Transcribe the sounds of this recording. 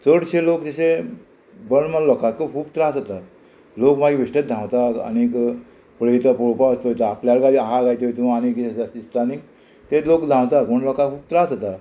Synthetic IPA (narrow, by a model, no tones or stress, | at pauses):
t͡səɽɕelokd͡zəɕe | bəɳmalɔkakːəkʰuːpt̪ɾad͡zat̪a | lokmaɡbiʂʈət̪̚d̪ʱãwt̪aka̰nik | pəɭəjt̪apɔɭpaspəjt̪aːpljalɡaliaɦaɡajt̪et̪umaanikasasist̪ʰanik | t̪elokd̪ʱãwt̪akməɳlɔkakʰuːp̚t̪ɾad͡zat̪a